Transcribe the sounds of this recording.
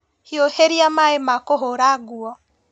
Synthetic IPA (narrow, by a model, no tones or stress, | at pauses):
hioheɾiamaemakoɦoɾaɡuɔ